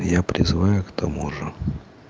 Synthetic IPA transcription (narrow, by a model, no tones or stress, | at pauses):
japɾʲɪ̰zɨvajʊkt̪ʰɐmuʐə